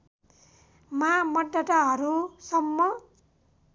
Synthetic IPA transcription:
mamʌɖːʌʈaɦʌɾusʌmːʌ

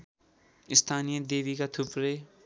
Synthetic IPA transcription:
ist̪ʰanijʌd̪ebikat̪ʰupɾe

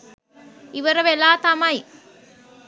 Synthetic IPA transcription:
iʋɐɾɐʋelaːt̪ɐmɐj

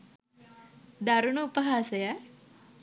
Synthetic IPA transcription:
d̪aɾunuːpəɦaːsɐja

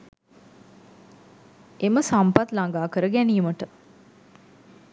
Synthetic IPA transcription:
eməsampat̪laŋɡaːkəɾəɡɛniːməʈə

